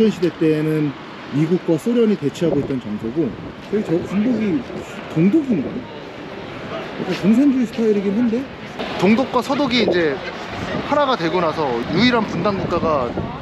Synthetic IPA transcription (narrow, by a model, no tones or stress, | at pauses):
ʌnɕʰide̞t͈e̞nɯn | miɡuk̚k͈wasʰoɾjʌɲite̞t͡ɕʰiɦaɡoit̚t͈ʌnt͡ɕʌŋd͡ʑoɡo | t͡ɕʰʌet͡ɕʌpuŋdoɡitoŋdoɡiniɡɲ | ikʰakoŋs̬ʰend͡ʑuisʰɯ̥tʰaiɾeɡemunde̞ | toŋdok̚k͈wasʰʌdoɡiːnd͡ʑe̞ | hanaɡadwe̞ɡonasʰʌjuiɾanpundaŋɡuk̚k͈aɡa